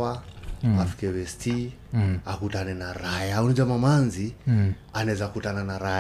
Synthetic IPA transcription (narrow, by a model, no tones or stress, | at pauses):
aafi̥kɛwɛsti | akutanɛnaɾajaunid͡ʒamamanzi | anɛzakutananaɾa